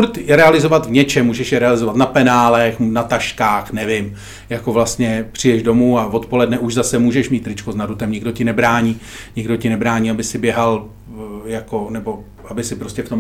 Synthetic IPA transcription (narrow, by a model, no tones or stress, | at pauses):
uɾt̪jɛɾɛalɪzo̞vat̪vɲɛt͡ʃɛmːuːʒɛʃjɛɾɛalɪzo̞vat̪napɛnaːlɛxnat̪aʃkaːxnɛvɪm | jako̞vlast̪ɲɛpr̝̥ɪjɛʒdo̞muːavo̞t̪po̞lɛdnɛʔuʒzasɛmuːʒɛʃmiːt̪ɾɪt͡ʃkoznadɾut̪ɛmɲɪɡdocɪnɛbɾaːɲiː | ɲɪɡdo̞cɪnɛbɾaːɲiːabɪsɪbjɛɦal | jako̞nɛbo̞ | ʔabɪsɪpɾoscɛft̪om